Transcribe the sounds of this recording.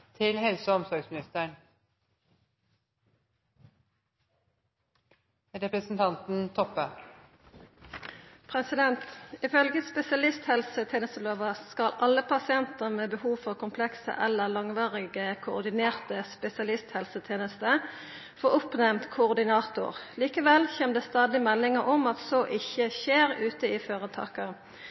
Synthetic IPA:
t̪ʰɪlhɛlsəɔmsɔɾɡsmɪnɪst̪əɳ | ɾɛpɾəsn̩t̪ʰɑnt̪n̩t̪ʰɔpːə | pʰʁɛsɪd̪ɛnt̪ɪfœlɡəspɛsɪɑlɪst̪hɛlsət̪ʰeːnəst̪əloːʋəskɑlʔɑlːəpʰɑsɪɛnt̪əmeːbəhuːʋfɔʁkʊmpʰlɛksə̰ʔɛlːəlɑŋʋɑːʁɪɡəkʰʊ̰ːʁd̪ɪneːʁt̪əspɛsɪɑlɪst̪hɛlsət̪ʰeːnəst̪ə | foːʔʊpnɛmt̪kʰʊʊʁd̪ɪnɑːt̪ʊ̰ʁliːkəʋɛlçeːnd̪ɛst̪ɑːd̪ɪmɛlːɪŋəʁɔmɑt̪soːʔɪçəçeːʁʉːt̪əɪføːʁət̪ʰɑ̰ːkə

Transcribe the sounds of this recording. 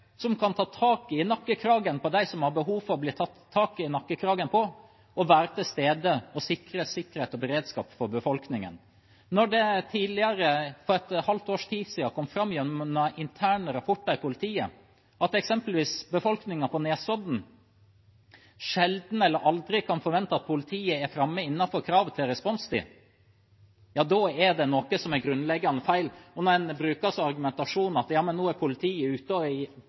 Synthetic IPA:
sɔmkʰɑnt̪ʰɑːt̪ʰɑːkɪnɑkːəkʰɾɑːɡənpɔd̪æɪsɔmhɑɾbəɦuːʋfɔɾɔbliːt̪ʰɑt̪ʰːɑːkɪnɑkːəkʰɾɑːɡənpʰɔ | ɔʋæːɾət̪ʰɪst̪eːd̪əɔsɪkːəɾəsɪkːəɾheːt̪ɔbəɾeːd̪skɑ̰ːpfɔɾbəfɔlknɪŋə̰n | nɔɖɛt̪ʰiːlɪəɾəfɔɾɛt̪hɑlt̪oːʂt̪ʰiːsiːɑkʰɔmfɾɑmːjɛnəʔɪnt̪ʰæːɳəɾɑpʰɔʈːəɾɪpʰʊlɪt̪ʰiːə | ʔɑt̪ɛksɛmpəlʋiːsbəfɔlknɪŋɑpʰɔneːsɔd̪n̩ | ʂɛld̪n̩ɛlːəɾʔɑld̪ɾɪkʰɑnfɔɾʋɛnt̪ɑɑt̪̚pʰʊlɪt̪ʰiːəɛɾfɾɑmːəɪnːɑfɔɾkʰɾɑːʋət̪ʰɪlɾɛspɔnst̪ʰɪ̰ | jɑːd̪ɔɛɖ̪ɛnɔkəsɔmæɾɡɾʉnlɛɡːɑnəfæɪlɔnɔɾɛnbɾʉːkɑsɑɾɡʉmɛnt̪ɑʂuːnɑt̪jɑːmənːoːæɾpʰʊlɪt̪ʰiːəʉːt̪əɔ

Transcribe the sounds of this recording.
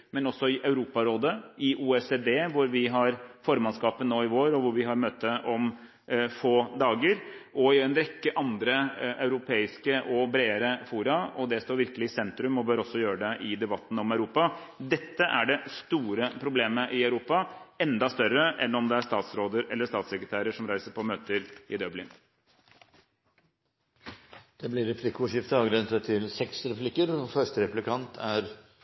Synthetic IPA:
mɛnɔsːɔɪʔɑʉɾuːpɑɾoːd̪əɪʔuːɛseːd̪eːʋʊɾʋɪɦɑɾfɔːɾmɑnskɑːpənːoːɪʋoːɾɔʋʊɾʋɪɦɑɾmøːt̪əʔɔm | foːd̪ɑːɡəɾʔɔɪɛnɾɛkːəʔɑnd̪ɾəɑʉɾʊpʰeːɪskəʔɔbɾeːəɾəfuːɾɑɔd̪ɛst̪oːɾʋɪɾkəlɪɪsɛnt̪ɾʉmɔbøːɾɔsːɔjøːɾəɖ̪ɛʔɪd̪ɛbɑt̪ːn̩ɔmœʉɾuːpɑ | d̪ɛt̪ːəʔæɖɛst̪uːɾəpʰɾʊbleːməʔɪœʉɾuːpɑɛnd̪ɑst̪œrəʔɛnːɔmd̪ɛæʂt̪ɑːt̪sɾoːd̪əɾɛ̰lːəʂt̪ɑːt̪sɛkɾət̪ʰæːɾəʂɔmɾæɪsəpʰɔmøːt̪əɾɪd̪œblɪn | d̪̥ɛblɪɾɛpʰlɪkʊʂɪft̪əɑːɡɾɛnt̪ət̪ʰɪlsɛksɾɛplɪkːəɾɔfœʂʈəɾɛplɪkʰɑnt̪ʰæɾ

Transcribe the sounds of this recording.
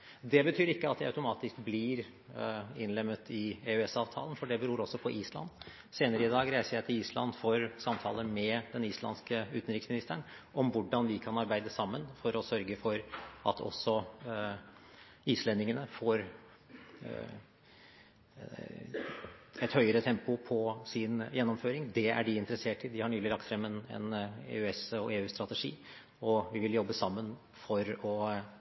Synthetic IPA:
d̪ɛbət̪ʰyːɾɪkːəɑt̪̚d̪ɛɑ̰ʉt̪ʊmɑːt̪ɪskblɪɾ | ɪnlɛmːət̪ʰɪeʉɛsɑːʋt̪ʰɑ̰ːlənfɔɖɛbəɾuːɾɔsːɔpʰɔʔiːslɑ̰n | seːnəɾəɪd̪ɑːɡɾæɪsəɾjæɪt̪ʰɪliːslɑ̰nd̪foːɾsɑmt̪ʰɑ̰ːləmɛd̪ɛniːslɑ̰nskəʉːt̪n̩ɾɪksmɪnɪst̪əɳʔɔmʋʊɖːɑnʋɪkʰɑnɑɾbæɪd̪əsɑmːənfɔɾɔsœɾɡəfɔɾʔɑ̰t̪ʰɔ̰sːɔ | iːslɛnɪŋənəfoːɾ | ɛt̪hœʏəɾət̪ʰɛmpʊpʰɔsɪnjɛnːɔmføːɾɪŋd̪ɛæ̰ɖɪɪnt̪ɾəseːʈɪd̪ɪhɑɳyːlɪlɑkt̪fɾɛmːɛnɛ̰nḛːʉɛsɔeːʉːst̪ɾɑt̪əʂḭː | ɔʋɪʋɪljɔbːəsɑmːən | fɔɾɔ

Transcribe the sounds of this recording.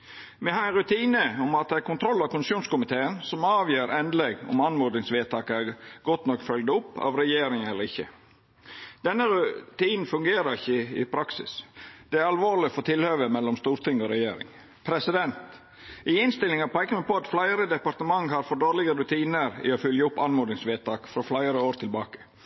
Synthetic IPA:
mɛhɑɾɛnɾʉt̪ʰiːnəɔmɑt̪̚d̪ɛæɾkʰʊnt̪ʰɾɔlːɑkʊnɪsjuːnskʊmɪt̪ʰeːənsɔmɑːʋjøːɾɛnd̪lɛɡɔ̰mɑnmɔd̪nɪŋsʋeːt̪ʰɑːkəæɡɔt̪nɔkːfœlɡd̪ʊpːɑ̰ʋɾɛjeːɾɪŋɛlːəɾɪçːə̰ | d̪̥ɛnːəɾʉt̪iːnn̩fʉŋɡeːɾəɾɪçːəɪ̰pʰɾɑksɪ̰sd̪̥ɛæɾɑlʋoːlɪfɔɾt̪ʰɪlhøːʋəmɛlːɔmst̪uːɾt̪ʰɪŋːɔɾɛjeːɾɪ̰ŋ | pʰɾɛsɪd̪ɛnt̪ | ɪɪnst̪ɪlːɪŋɑpæɪkəmɛpɔɑt̪flæɪəɾəd̪ɛpɑɾt̪əmɑŋːɦɑɾfɔɖoːɾlɪɡəɾʉt̪ʰiːnəɾɪ̰ɔfœljəʊpːɑnmɔːd̪ɪŋsʋeːt̪ʰɑːkfɾɔflæɪəɾəoːɾt̪ʰɪlbɑːkə̥

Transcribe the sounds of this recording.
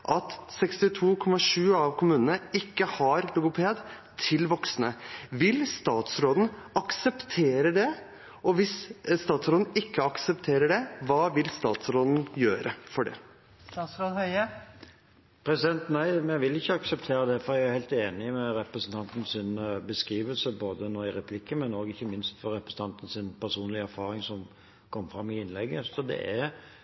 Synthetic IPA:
ʔɑt̪sɛkst̪ɪt̪ʰuːkʰɔmɑʂʉːɑʋkʰʊmʉːnənəɪkːəhɑɾlʊɡʊpʰeːd̪ | t̪ʰɪlʋɔksnəʋɪlst̪ɑːt̪sɾoːd̪n̩ɑksəpt̪ʰeːɾəɖɛ | ɔʋɪsst̪ɑːt̪sɾoːd̪n̩ɪkʰːəɑksəpt̪ʰeːɾəɖɛʋɑːʋɪlst̪ɑ̰ːt̪sɾoːd̪n̩jøːɾʔəfɔɖɛ̰ | sɑːt̪sɾoːd̪hœʏə | pʰɾɛsɪd̪ɛnt̪næɪmɛʋɪlɪçːəɑksɛpt̪ʰeːɾəd̪ɛfɔɾɛɡæɾhæɪlt̪eːnɪmɛɾɛpɾɛsn̩t̪ʰɑnt̪n̩sɪnbəskɾiːʋəlsəboːd̪ənoːɪɾɛpʰlɪkːəmɛnoːɡɪçːəmɪnst̪fɔɾɛpɾəsn̩t̪ɑnt̪ən̩sɪnpʰæɾsuːnlɪəæɾfɑːɾɪŋsɔm | kʰɔmːfɾɑmːɪɪnlɛɡːəsɔd̪ɛ̰ʔæɾ

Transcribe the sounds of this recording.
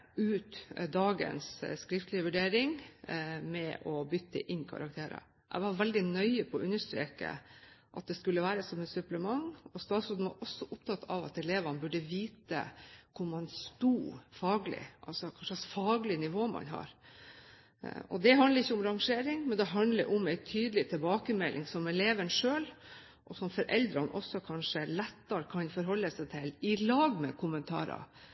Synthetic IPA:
ʉːt̪d̪ɑːɡə̰nsːkɾɪft̪lɪəʋʉɖeːɾɪŋ | mɛʔɔbʏt̪ːə̰ʔɪnːkʰɑ̰ɾɑ̰kt̪ʰeːɾə̰ | ʔɛ̰ɪʋɑɾʋɛld̪ɪnœʏəpʰɔːʔʉnːəʂt̪ɾḛːkə̰ʔɑt̪̚d̪ɛskʉlːəʋæːɾəsɔmɛt̪sʉpləmɑŋɔst̪ɑːt̪sʉnd̪ʋɑ̰ɾʔɔsːɔʔʊpt̪ʰɑt̪ːʰɑ̰ʋɑ̰t̪ɛleːʋɑnəbʉɖəʋiːt̪ə̰kʰʊɾmɑnst̪uːfɑːɡlɪ̰ʔɑ̰lsɔkʰɑnʂɑsfɑːɡlɪnɪʋoːmɑ̰nɦɑ̰ɾ | ɔ̰d̪ɛɦɑnd̪əɾɪçːəʊmɾɑŋʂeːɾɪŋmɛnd̪ɛɦɑnd̪lə̰ɾʔʊmæɪt̪ʰyːd̪əlɪt̪ʰɪlbɑːkəmɛlʔɪŋsɔmɛleːʋənʂøːl | ʔɔsɔmfɔɾʔɛld̪ɾɑnʔɔsːɔkʰɑnʂəlɛt̪ːɑɾkʰɑnfɔɾɦɔlːəsæɪt̪ʰɪlɪlɑːɡmɛ̰kʰʊmənt̪ʰɑ̰ːɾɑ̰

